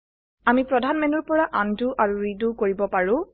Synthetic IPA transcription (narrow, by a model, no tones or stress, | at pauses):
amipɹɔdʱanmɛnuɹpɔɹaʔanduʔaɹuɹidukoɹibɔpaɹʊ̃